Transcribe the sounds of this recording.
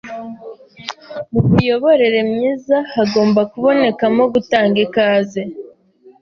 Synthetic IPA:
muβujo̞βo̞ɾe̞ɾe̞mɲiːzahaɡo̞ːmbakuβo̞ne̞kamo̞ɡutaːŋɡekaːzi

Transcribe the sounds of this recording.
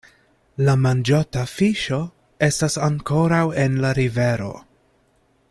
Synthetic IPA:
lamand͡ʒotafiʃo̞ | e̞stasaŋko̞ɾawe̞nlaɾive̞ɾo̞̰

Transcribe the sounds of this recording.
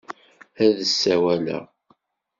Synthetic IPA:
æðəsːæwælæ̰

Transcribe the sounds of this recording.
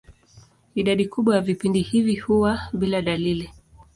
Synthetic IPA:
iɗaɗikuɓwajavipindihivihuwaɓilaɗalili

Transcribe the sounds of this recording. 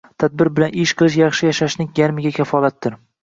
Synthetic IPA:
t̪ʰad̪̚bɪɾbɪlanɪʃqʰɨlˠɪʃjɑχʃɪjaʃaʃnɪŋjʲaɾmɪɡʲakʲʰafɒlat̪̚dɪɾ

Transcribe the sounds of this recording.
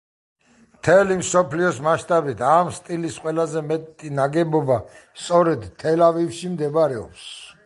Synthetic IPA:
mt̪ʰɛlimsɔpʰliɔsmaʃt̪ʼabit̪ʰamst̪ʼilisqʼwɛlazɛmɛt̪ʼinaɡɛbɔbast̪sʼɔɾɛd̪t̪ʰːɛlavifʃimd̪ɛbɾɛɔ̰ps

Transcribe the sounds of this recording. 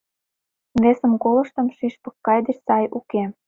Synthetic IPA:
βesə̆mkolɤ̆ʃt̪ɤ̆mʃiʃpɤ̆kːɑjd̪ĕʃsɑjuke

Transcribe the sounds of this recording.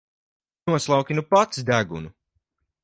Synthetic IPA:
nuɔslˠawkʲinupat̪sd̪æɡṵnu

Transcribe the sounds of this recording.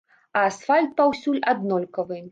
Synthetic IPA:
ɐːsfalʲt̪̚pawsʲulʲad̪nɔlʲkɐvɨ

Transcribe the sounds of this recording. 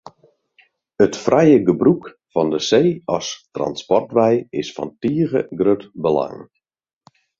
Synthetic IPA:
ətfrʔɛjəɡəbruk | fɔndəseːɔstra̰nspɔrtʋɛjɪsfɔ̰ntiəɣə̰ɡrøtbəla̰ŋ

